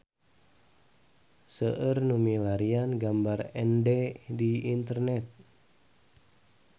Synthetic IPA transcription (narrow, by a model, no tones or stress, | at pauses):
səʔərnumilaɾianɡambarɛndɛdiint̪ərnɛt̪̚